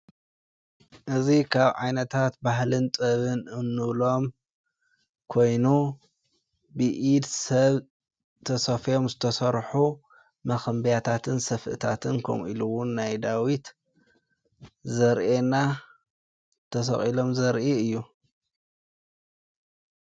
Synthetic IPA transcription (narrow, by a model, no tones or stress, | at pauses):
ʔɨzikʰaβʕajnɐt̪ʰat̪baɦlɨnt̪ʼɨβɨnɨnːɨβlo̞m | kʰo̞jnu | bɨʔid̪sɐβ | t̪ʰɐsɐfjo̞mzɨt̪ʰɐsɐɾħu | mɐxɐmbjat̪ʰat̪ʰɨnsɐfʔɨ̰t̪ʰat̪ʰɨnkʰɐ̰mʔḭluwʊnːajd̪awit̪ | zɐɾʔena | t̪ʰɐsɐ̰χʼilo̞mzɐɾʔiɨjːu